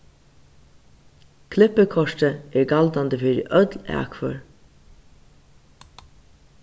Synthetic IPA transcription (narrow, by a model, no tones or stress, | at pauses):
kʰlɪpəkʰɔʂtəɛɹɡald̪and̪əfiɾɪ̰ʔœt̪læ̰ːkʰfɔ̰ɹ